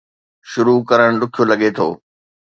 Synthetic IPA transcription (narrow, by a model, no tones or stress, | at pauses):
ʃʊɾukɐɾəɽ̃ɗʊkʰijolɐɠet̪ʰo̰ː